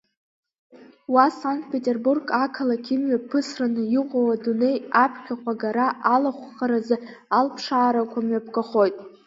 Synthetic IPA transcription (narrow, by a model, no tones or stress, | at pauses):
wasaŋkt̚ʼpʰʲe̞tʲʼerburɡakʰalakʲʰimɥapʰɨsranɨjɪqʷʼawadune̞japʰkʲakʷʰʼaɡaɾaʔalaχʷχaɾazɨ | alpʰʂaːɾakʷʰamɥapʰɡaχo̞jtʼ